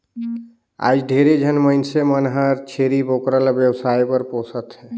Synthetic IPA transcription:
a̰d͡ʒɖʱeɾed͡ʒʱənməinsemənɦəɾt͡ʃʰeɾibokɾəlbjəwsaipəɾposʰət̪ɦɛ

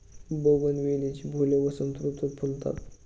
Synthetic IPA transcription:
boɡənʋelet͡ɕibʱoleʋəsənt̪ɾut̪ut̪̚pʰult̪a̰t̪

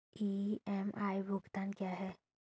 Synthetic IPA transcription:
iɛmʔajbuɡt̪ankjaɦɛ

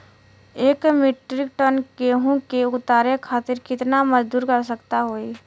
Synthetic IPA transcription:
eːkmɪʈɾɪkʈənkeɦũkeʊt̪aːɾekʰaːt̪ɪɾkɪt̪namɐd͡ʒd̪uːɾkɐɾs̬əkt̪aɦoːi

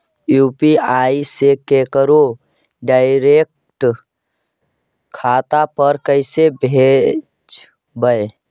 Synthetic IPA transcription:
juːpiaːisekekəɾo | ɖaːɪɾek̚ | ʈ | kʰaːt̪apəɾkəɪsebʱe | d͡ʒ | bəe

